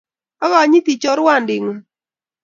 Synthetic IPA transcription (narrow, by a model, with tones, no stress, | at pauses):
a˦ɣa˨˦ɲi˦ti˨t͡ʃɔ˦ɾwa˦˨ndɪ˨ŋɔ˨